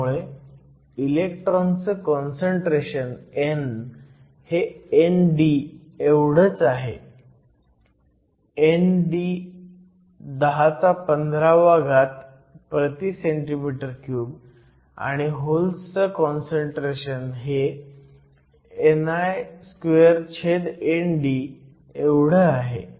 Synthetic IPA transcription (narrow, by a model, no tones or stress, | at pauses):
uɭe | ilek̚ʈɾɔnsəkɔnsəɳʈɾeɕənen | heenɖi | eʋɽ̤ət͡saɦe | enɖi | d̪əɦat͡sapənd̪ʱɾaʋaɡat̪ | pɾət̪iseɳʈimiʈəɾkjuːb | a̰ɽ̃iɦolsəkɔnsəɳʈɾeɕənɦe | najskeəɾt͡ɕʰed̪enɖi | ewɽ̤əaɦḛ